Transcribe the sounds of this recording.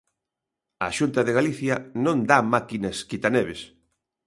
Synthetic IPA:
ɐːʃunt̪ɐðeɣaliθjɐnõnd̪amakinɐskit̪anɛβes

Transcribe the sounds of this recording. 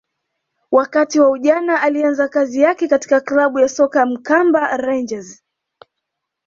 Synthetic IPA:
wakatiwauʄanaʔalianzakazijakɛkati̥kaklaɓujasɔkam̩kambaɾand͡ʒaz

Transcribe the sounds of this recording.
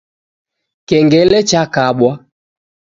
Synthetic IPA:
kɛŋɡɛlɛt͡ʃakaɓwa

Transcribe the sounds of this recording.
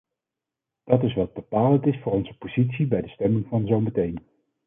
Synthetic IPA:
d̥ɑtɪsʋɑd̚bəpaːləntɪsfʊːrɔnzəpozitsibɛjdəstɛmɪŋvɑnzowmətejn

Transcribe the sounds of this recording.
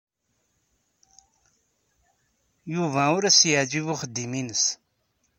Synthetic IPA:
juvæʊɾæsjəʕd͡ʒivʊχəd̪ːiminəs

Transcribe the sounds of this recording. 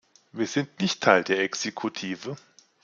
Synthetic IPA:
viːɐzɪntnɪçttʰaɪldeːɐʔɛksekʰutʰiːvə

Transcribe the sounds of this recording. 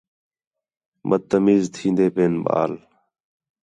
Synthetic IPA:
məd̪̚t̪əmiːzt̪ʰĩːnd̪eːpeːnɓa̰ːl

